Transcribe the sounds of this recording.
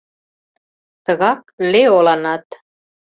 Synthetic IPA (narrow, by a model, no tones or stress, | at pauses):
t̪ə̆ɣɑk̚leolɑnɑt̪